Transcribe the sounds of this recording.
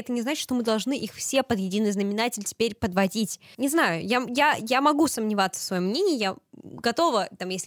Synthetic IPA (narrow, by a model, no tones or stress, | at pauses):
ɛt̪ənʲɪznat͡ɕɪtʂt̪o̞mɨd̪ɐlˠʐnɨʔixfsʲepəd̪jɪdʲinɨjznəmʲɪnatʲɪlʲtʲɪ̥pʲeɾʲpəd̪vɐdʲitʲnʲɪznajʊjajajamɐɡusəmnʲɪvat̪sə̥fsvɐjomːnʲenʲɪjɪjaɡɐt̪o̞vət̪amjesʲlʲ